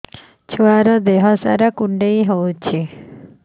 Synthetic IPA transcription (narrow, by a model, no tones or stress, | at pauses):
t͡ʃʰuʋaɾɔd̪eɦɔsa̰ɾakuɳɖeiɦowt͡ʃʰe